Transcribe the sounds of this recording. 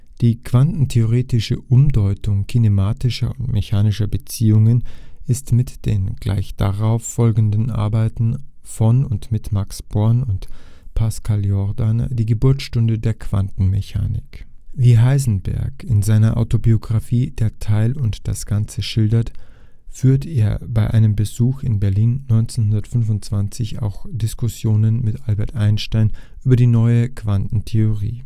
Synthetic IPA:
d̥iːkv̥antn̩tʰeoʁ̞eːtɪʃəʔʊmdɔʏtʊŋkʰinemaːtɪʃɐ̰ʊntmʔeçaːnɪʃɐbət͡siːʊŋənɪstmɪtd̥ḛːnɡ̥la̰ɪçd̥a̰ʁaʊfːɔlɡn̩dn̩ʔa̰ɐbaɪtn̩ | fɔnʊntmɪtmaksb̥ɔɐnʊntpʰaskʰaljɔɐdandiːɡəbʊɐt͡sʃtʊndədeːɐkv̥a̰ntn̩meça̰ːnɪ̰kviːɦaɪzn̩bɛ̰ɐkɪnzaɪnɐʔa̰ʊtobioɡʁafiːd̥eːɐtʰaɪlʊntd̥a̰sɡ̥ant͡səʃɪldɐt | fyːɐteːɐbaɪʔaɪnəmbəzuːxɪnbɛɐliːnːɔʏnt͡senhʊndɐtfʏnvʊnt̚t͡sv̥ant͡sɪça̰ʊxd̥ɪskʊsjoːnənmɪtʔalbɛɐtʔaɪnʃtaɪnʔyːbɐdiːnɔʏəkv̥antn̩tʰeoʁḭː

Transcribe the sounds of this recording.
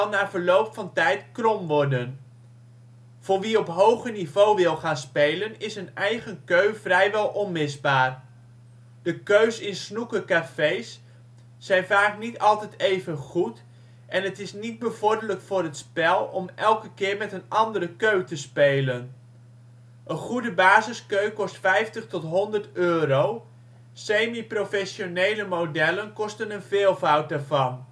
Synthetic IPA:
naːvəɹlowpfɑntɛjtkrɔmʋɔɹdən | v̥ʊːɹʋiɔpɦowχənivowʋɪlˠχaːnspejlənɪsənɛjχənkøɥvrɛjʋɛlˠʔɔnmɪzbaːɹ | d̥əkøɥsɪnsnukəkafejsː | ɛjnvaːknitɑlˠtɛjtejvənχut | ʔɛnətɪsnid̚bəvɔɹdələkfʊːɾətspɛlˠɔmɛlˠkəkɪːɹmɛtənɑndəɾəkøɥtəspejlən | ʔənχudəbaːzɪskøɥkɔstfɛjftəχtɔtɦɔndərtøːrow | sejmiprofɛʃjonejləmowdɛlənkɔstənənvɪːlˠvʌwt̚daɹvɑn

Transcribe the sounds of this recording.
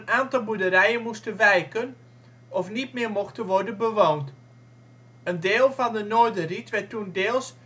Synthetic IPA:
ənaːntɑlˠbudəɾɛjənmustənʋɛjkən | ɔfnitmɪːɹmɔxtənʋɔrdənbəʋoːnt | əndeːlˠvɑndənoːɹdəritʋɛtundɪːlˠs

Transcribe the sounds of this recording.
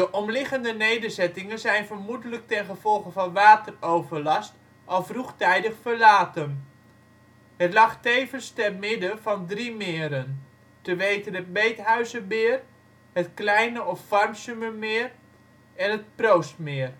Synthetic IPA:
dəʔɔmlɪχəndənejdəɹzɛtɪŋənzɛjnvərmudələk̚tɛnχəv̥ɔlˠχəvɑnʋaːtərowvəɹlɑst | ʔɑlˠfruχtɛjdəχfəɹlaːtən | ətlɑχtejvənstɛrmɪdəvɑndrimɪːəɾən | təʋejtənɦət̚bejtɦœɥzəbɪːr | hətklɛjnəɔfːɑrmsyməmɪːr | ɛnɦət̚prowstmɪːr

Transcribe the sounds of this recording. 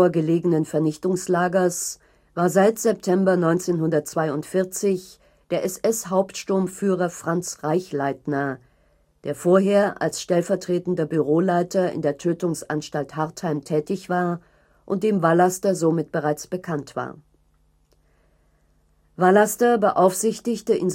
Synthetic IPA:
ɐɡəleːɡən̩ənfɛɐnɪçtʊŋslaːɡɐs | vaːɐzaɪtz̥ɛp̚tʰɛmbɐnɔʏnt͡seːnɦʊndɐtt͡sv̥aɪʊntfɪɐt͡sɪç | d̥eːɐʔɛsʔɛshaʊptʃtʊɐmfyːʁɐfʁ̥ant͡sʁaɪçlaɪtnɐ | d̥eːɐfoːɐɦeːɐʔa̰lsʃtɛlfɛɐtʁ̥eːtn̩dɐbyʁ̞oːlaɪtɐɪ̰ndeːɐtʰøːtʊŋsʔanʃtalthaɐthaɪmtʰɛːtɪçv̥aːɐ | ʔʊnt̚d̥eːmvalastɐzomɪt̚b̥əʁaɪt͡sb̥əkʰantv̥a̰ːɐ | valastɐbəʔaʊfz̥ɪçtɪçtəʔɪn

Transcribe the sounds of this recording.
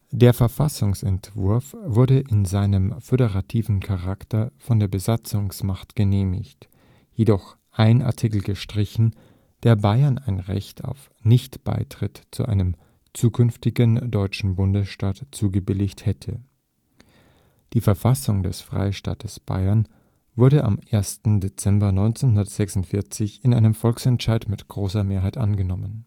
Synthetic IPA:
d̥eːɐfɛɐfasʊŋsɛntv̥ʊɐfv̥ʊɐɾəʔɪnzaɪnəmføɾəʁatʰiːvn̩kʰaʁaktɐfɔndeːɐbəzat͡sʊŋsmaχtɡ̥əneːmɪ̰çt | jedɔχ | ʔaɪnʔa̰ɐtʰɪkl̩ɡəʃtʁ̥ɪçn̩ | d̥eːɐbaɪɐnaɪnʁɛ̰çtʰa̰ʊf | nɪçtb̥a̰ɪtʁ̥ɪtt͡sṵʔa̰ɪnəm | t͡suːkʰʏnftɪɡəndɔʏt͡ʃn̩bʊndəsʃtaːtt͡suːɡəbɪlɪçthɛtʰə | d̥iːfɛɐfasʊŋdɛ̰sfʁ̥a̰ɪʃta̰ːtʰəsb̥a̰ɪɐn | v̥ʊɐɾəʔa̰mʔeːɐstn̩det͡sɛmbɐnɔʏnt͡senɦʊndɐtz̥ɛksʊntfɪɐt͡sɪçɪnʔaɪnəmfɔlksɛntʃaɪtmɪtɡ̥ʁoːsɐmeːɐɦaɪtʔa̰nɡənɔmən

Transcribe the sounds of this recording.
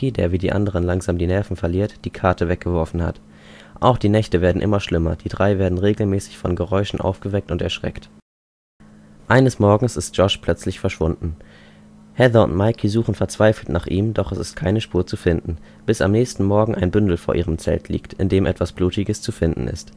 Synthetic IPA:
idḛːɐviːdiːʔa̰ndəʁ̞ənlaŋzaːmdiːnɛɐfn̩fɛɐliːɐtd̥iːkʰaɐtʰəvɛk̚ɡ̥əvɔɐfn̩ha̰t | ʔa̰ʊxd̥iːnɛçtəveːɐdn̩ʔɪ̰mɐʃlɪmɐ̰d̥iːdʁaɪveːɐdn̩ʁeːɡl̩mɛːsɪ̥çfɔnɡəʁɔʏʃn̩ʔa̰ʊfɡ̥əvɛk̚tʊntɛɐʃʁ̥ɛ̰kt | ʔaɪnəsmɔɐɡŋ̩sɪst̚ʒ̥ɔʃpʰl̥œt͡slɪçfɛɐʃv̥ʊndn̩ | hɛðɐʊ̰ntmaɪkʰizuːχn̩fɛɐt͡sv̥aɪfl̩tnaːχʔiːmdɔχɛsɪst̚kʰaɪnəʃpuːɐt͡sufɪndn̩ | b̥ɪsa̰mnɛːçstn̩mɔɐɡŋ̩ʔa̰ɪnbʏndl̩foːɐʔiːʁəmt͡sɛ̰ltʰlḭːktɪ̰ndeːmʔɛtv̥asb̥luːtɪɡəst͡sufɪndn̩ʔɪ̰st

